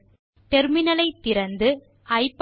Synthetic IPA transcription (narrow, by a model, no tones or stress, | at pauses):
ʈ̪ɛɾmɪnɐlɐɪt̪ːɪɾɐnd̪ɯ | ʔɐɪpː